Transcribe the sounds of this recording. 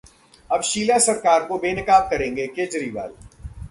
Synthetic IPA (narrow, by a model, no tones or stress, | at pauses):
ɐbʃiːlasɐɾkaːɾkobeːnɪkaːb̚kɐɾẽːŋ̆ɡekeːd͡ʒɾiːʋa̰ːl